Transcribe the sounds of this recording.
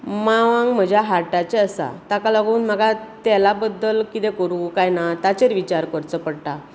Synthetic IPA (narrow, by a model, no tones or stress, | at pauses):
maʋãŋɡm̤əd͡ʑʱjaɦaʈat͡ɕeəsa̰t̪akalaɡuːnm̤əɡat̪ɛlabəd̪ːəlkit̪ɛkəɾukajnat̪at͡ɕeɾʋit͡ɕaɾkəɾt͡səpəɽʈ̪a